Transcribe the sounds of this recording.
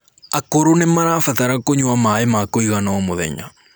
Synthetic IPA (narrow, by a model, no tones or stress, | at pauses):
akoɾonemaɾafataɾakoɲwamaemakoiɣanaɔmoðɛ̰ɲa̰